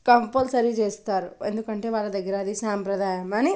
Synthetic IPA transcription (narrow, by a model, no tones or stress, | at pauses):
kɐmpɐlsɐɾid͡ʒeːst̪ɐɾḛnd̪ukɐɳʈeʋaːlɐd̪ɐɡiɾaːd̪isaːmpɾɐd̪aːjɐmaːni